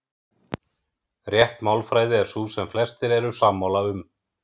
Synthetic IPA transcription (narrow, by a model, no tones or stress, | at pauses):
rjɛht̪maːwlfɾaːjðɪɛɾ̥susɛmflɛst̪ɪɾɛɾʏsaːmːawlaʏm